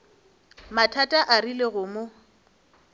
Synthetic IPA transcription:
matʰatʼaʔarileɣʊmo

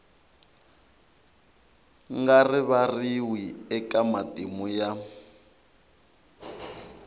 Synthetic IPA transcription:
ŋɡarɪβariwiɛkamatʼimuja

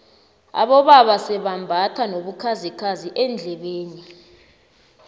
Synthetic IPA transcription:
a̰ɓɔɓaɓasɛɓambʱatʰanoɓukʰazikʰaziʔɛnd͡ɮʱɛɓeːni

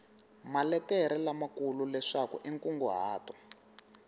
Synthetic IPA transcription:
malɛtɛɾɛlamakululɛʂakṵʔiŋkʼuŋɡuɦaːtɔ

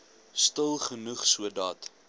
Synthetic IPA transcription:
stəlˠχənuχsuədɑt

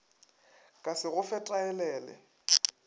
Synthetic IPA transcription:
kʼasɪɣʊfɛtʼaɛlɛːlɛ̰

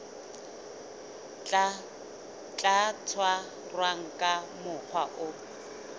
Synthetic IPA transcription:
t͡ɬʼat͡sʰwa | rwaŋ̩kʼamʊk͡xʰwaʔʊ

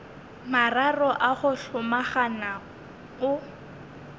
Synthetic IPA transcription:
mararɔʔaχʊɬʊmaχana | ʊ

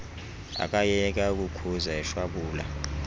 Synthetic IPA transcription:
a̰kʼajɛk̬ʼauk̬ʼukʰuzaɛʃwaɓuːla̰

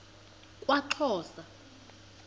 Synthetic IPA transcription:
kʼwaǁʰɔːsa

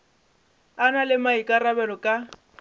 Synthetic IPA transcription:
analɪmaikʼarabɛlɔkʼa

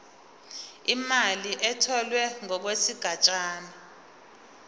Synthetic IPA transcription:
imaliʔɛtʰɔlwɛŋɔk̬wesiɡ̥ʱat͡ʃʼaːna

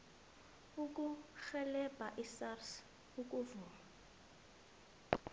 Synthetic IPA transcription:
uk̬ʼuχɛlɛbʼʱaʔisars | ukʼuvuːma

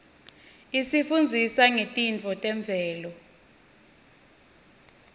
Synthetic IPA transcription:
isifund͡zʱisaŋetʼint͡fʰɔtʼɛɱb̪vʱɛːlɔ

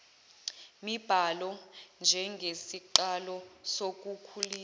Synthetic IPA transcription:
mib̥ʱalɔnd͡ʒʱɛŋɡʱesiǃalɔsok̬ʼukʰuliː

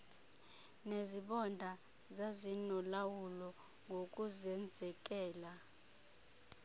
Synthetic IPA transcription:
neziɓɔndʱa | zazinɔlawulɔ | ŋɡʱok̬ʼuzɛnd͡zʱɛk̬ʼɛːla

